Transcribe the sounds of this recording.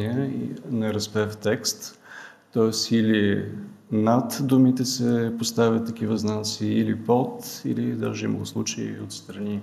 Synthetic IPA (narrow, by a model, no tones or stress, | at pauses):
iɛnɛɾɐspɛft̪ɛkst̪ː | ɔɛsili | nat̪d̪umit̪ɛsɛpost̪avʲət̪ːɐk̟ivəznasiːlipot̪ḭlid̪a̰ʒɛimə̰lˠoslˠut͡ʃeḭot̪st̪ɾɐni